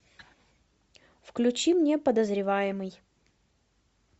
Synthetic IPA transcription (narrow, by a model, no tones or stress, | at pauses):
fklʲʉt͡ɕimnʲe̞pəd̪əzɾʲɪvajɪmɨj